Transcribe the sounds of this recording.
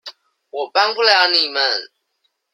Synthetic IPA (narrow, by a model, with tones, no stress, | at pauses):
wɔ˨pa˦ŋ˦ku˦lɛ˦˨a˦ni˦˨mə˦˨n